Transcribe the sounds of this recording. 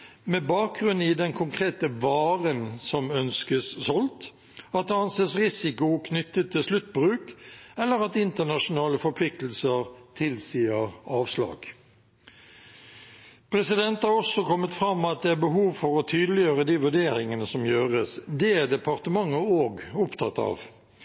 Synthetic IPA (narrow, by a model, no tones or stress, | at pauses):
mɛbɑːk̚ɡʁʉnːɪd̪ɛnkʰʊŋkʰʁeːt̪əʋɑːʁənsɔmœnskəssɔlt̪ | ɑt̪̚d̪ɛɑnseːsʁɪsɪkʊkʰnʏt̪ːət̪ʰːɪlslʉt̪ːbʁʉːkɛlːəɾɑt̪ɪnt̪ənɑʂʊnɑːləfɔɾpʰlɪk̚t̪l̩səʁt̪ʰɪlsiːəʁɑːʋslɑ̰ːɡ | pʰɾɛsɪd̪ɛnt̪hɑʁɔsɔkɔmːət̪fɾɑmːɑt̪̚d̪ɛæbəɦuːʋfɔɾɔt̪ʰyːd̪əlɪjøːʁəd̪iːʋʉɖeːɾɪŋənəsɔmjøːʁəsd̪ɛæd̪ɛpɑʁt̪əmɑŋːəoːɡʊpt̪ʰɑt̪ɑ̰ːʋ